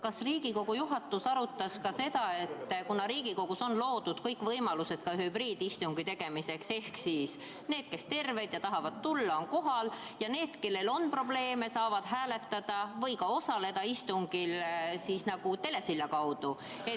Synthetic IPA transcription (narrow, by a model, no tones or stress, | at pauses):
kɑsriːɡ̥iko̞ɡ̥ujuɦɑt̪ːˑusɑɾut̪ːˑɑskɑse̞d̪̥ɑe̞t̪ːkunɑɾiːɡ̥iko̞ɡ̥uso̞nlo̞ːd̪̥ud̪̥kɤjkˑvɤjmɑluse̞d̪̥kɑɦybriːd̪ist̪uŋɡ̥it̪e̞ɡ̥e̞mise̞kse̞hksiːs | ne̞ːd̪̥̚ke̞st̪e̞rve̞d̪̥jɑt̪ɑɦɑvɑd̪̚t̪ulːɑo̞nko̞ɦɑljɑne̞ːd̪̥ke̞lːe̞lo̞npro̞ble̞ːme̞sɑːvɑd̪̥ɦæːle̞t̪ːˑɑd̪̥ɑvɤjkɑo̞sɑle̞d̪̥ɑist̪uŋɡ̥ilsiːsnɑɡ̥ut̪e̞le̞silːɑkɑwd̪̥u | e